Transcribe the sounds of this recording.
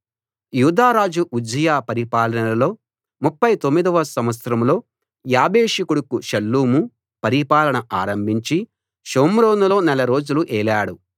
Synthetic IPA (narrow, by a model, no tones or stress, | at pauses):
juːd̪aːɾaːd͡ʒuʔud͡ʒɐjaːpɐɾipaːlɐnɐlɐlo̞ː | mupːɐjt̪omːid̪ɐʋɐsɐmʋɐt̪sɾɐmlo̞ː | jaːbeːʂikuɽukuʃɐlːuːmu | pɐɾipaːlɐɳɐʔaːɾɐmbʱiɲt͡ʃi | ʃoːmɾo̞ːnulo̞ːnɛlɐɾo̞ːd͡ʒuluʔɛːlaːɽu